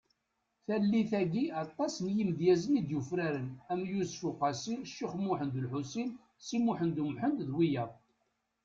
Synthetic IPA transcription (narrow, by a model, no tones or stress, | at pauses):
θælːiθæɡiɑt̪ˤːɑsnjimðjæzənid̪jufɾæɾənæmjusfʊqæsiʃːiχmʊħənd̪əlħusin | simuħənd̪umħənt̪ðwijæ